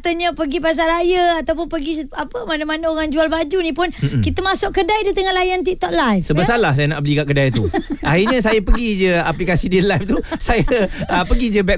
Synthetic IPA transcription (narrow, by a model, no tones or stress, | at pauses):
t̪aɲəpəɡipas̬aɾajəat̪awpʊnpəɡiapəmanamanəoɣaŋd͡ʒualbad͡ʒunĩpʊnkit̪əmasʊʔkkədajdit̪əŋanlajant̪̬it̪ɔʔ̪̚lajfsəbəsalahsajəna̰ʔbəlikaʔ̚kədajt̪uʔahirɲəsajapəɡid͡ʒəaplikasidiəlajft̪usajəəpəɡid͡ʒəbɛ